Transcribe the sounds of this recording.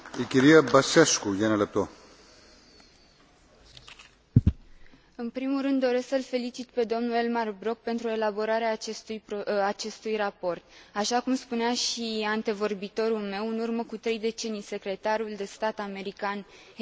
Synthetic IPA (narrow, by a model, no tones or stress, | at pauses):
ikʲiɾijabasaʃkujanaləp̚t̪o | ɨnpɾimulːɨnd̪ːo̞ɾe̞sksəlfe̞lit͡ʃit̪pe̞d̪o̞mnue̞lmarbɾo̞k̚pe̞nt̪ɾuoe̞labo̞ɾaɾeat͡ʃest̪ujpat͡ʃe̞st̪ujrapo̞rt̪aʃakumspuneaʃiant̪e̞vo̞rbit̪o̞ɾulme̞wɨnurməkut̪ɾe̞jd̪e̞t͡ʃe̞nijse̞kɾe̞t̪aɾuld̪e̞st̪at̪ame̞ɾikan